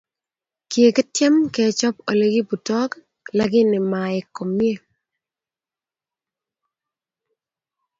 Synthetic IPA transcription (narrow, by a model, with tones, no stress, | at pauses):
kje˨kɛ˦tjɛ˦mkɛ˨˦t͡ʃɔ˦p̚o˨le˦ɡi˦bu˨tɔ˦k | la˦ɡɪ˦nɪ˨ma˨ɪ˨ko˨mje˦˨